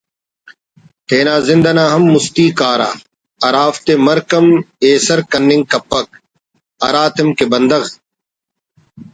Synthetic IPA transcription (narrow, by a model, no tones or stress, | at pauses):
t̪ʰeːnaːzɪnd̪ɐnaːɦɐmːʊst̪iːkaːɾa̰ː | ɐɾaːft̪emɐɾkɐmeːsɐɾkɐnːɪŋɡkɐpːɐk̚ | ɐɾaːt̪ɪmkebɐnd̪ɐɣ